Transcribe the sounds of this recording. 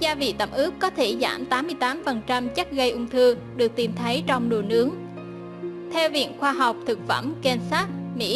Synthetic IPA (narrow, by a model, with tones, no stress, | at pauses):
zaː˧vḭ˧˨t̪ə˧˩mʔɨ˦˥p̚kɔ˨˦t̪ʰe˧˩za̰ː˧˩mt̪aː˨˦mːɨ˧əjt̪aː˨˦mfə˨˩nt͡ɕa˧mt͡ɕə˦˥t̚ɣə˧jʔʊ˧ŋ͡mt̪ʰɨ˧ | ɗɨ˨˩ək̚t̪i˨˩mt̪ʰə˨˦jt͡ɕɔ˧wŋ͡mɗu˨˩nɨ˨˦əŋ | t̪ʰɛ˧wvḭ˧˨ənxwaː˧ɦa˨˩wk͡p̚t̪ʰɨ˨˩k̚fə˧˩mke˧nsaː˦˥t̚mḭ˧˥